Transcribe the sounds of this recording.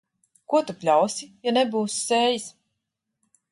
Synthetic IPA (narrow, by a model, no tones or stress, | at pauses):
kuɔt̪upʲlʲawsijanebuːsseːjis